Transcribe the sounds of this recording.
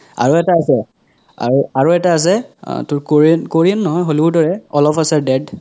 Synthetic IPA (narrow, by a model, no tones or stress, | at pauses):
a̰ɹuɛtaːsɛ | a̰ɹuaɹuɛtaːs̬ɛ̰tʊɹkoɹnkoɹinːɔɦɔjxolubʊdɔɹɛɔlɔpʰasɛdɛd